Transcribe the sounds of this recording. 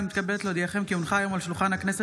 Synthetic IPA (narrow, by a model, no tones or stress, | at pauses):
mit̪kabelet̪leod̪iaχemkiunχaːjo̞malʃulχanhaknese